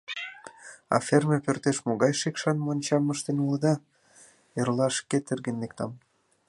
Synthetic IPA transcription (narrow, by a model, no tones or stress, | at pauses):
ɑ̰fermepørt̪eʃmoɣɑjʃekʃɑnmonʲt͡ɕɑməʃt̪enuləd̪ɑ | erlɑʃket̪erɣə̆nlek̚t̪ɑm